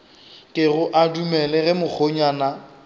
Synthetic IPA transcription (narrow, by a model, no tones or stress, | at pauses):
kʼɪɣʊʔadumɛlɛɣɛmʊk͡xʰoɲwana